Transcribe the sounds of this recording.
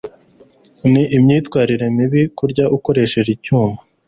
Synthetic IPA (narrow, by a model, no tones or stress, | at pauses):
niʔimɲiːtkwaːɾiɾe̞miβikuɾɟaʔuko̞ɾe̞ʃe̞ʒicuːmba